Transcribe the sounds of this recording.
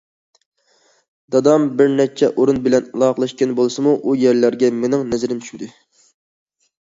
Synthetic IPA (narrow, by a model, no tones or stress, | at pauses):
d̪̥ɑd̪ɑmbɪɾnɛt͡ʃʰɛʔoɾunbɪlɛnlˠɑːqəlˠɑʃkʲɛnbolˠɨsɨmuʔujæɾlæɾɡʲɛmenɪŋnɛzɪɾɪmt͡ʃʰyʃd̪ɨ